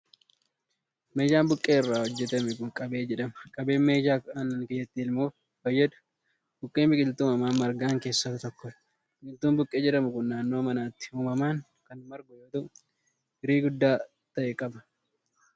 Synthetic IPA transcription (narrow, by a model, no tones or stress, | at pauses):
me̞ːd͡ʒaːmbʊkʼːe̞ːɪrːaːwɔd͡ʒːɛt̪ɐmɛkʊŋkʼɐbe̞ːd͡ʒɛᶑɐmɐkʼɐbe̞ːnme̞ːd͡ʒaːɐnɐnkeːjɛt̪ːɪɪlmuːf | bɐjːɐd̪ʊ̥ | b̥ʊkʼːeːmbɪkʼɪlt̪uːmɐmaːmɐɾɡaːŋke̞ːsːɐt̪ɐt̪ɔkːɔ | bɪkʼɪlt̪uːmbʊkʼːeːd͡ʒɛᶑɐmʊkʊnːaːnːo̞ːmɐnaːt̪ːɪ̥uːmɐmaːŋ | kɐnmɐɾɡɔjoːt̪ɐʔʊ | ɪɾiːɡʊd̪ːaː | t̪ɐʔɛkʼɐbɐ